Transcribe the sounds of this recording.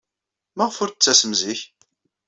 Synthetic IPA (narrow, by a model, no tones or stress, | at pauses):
mæʁfʊɾt͡sːæsəmziç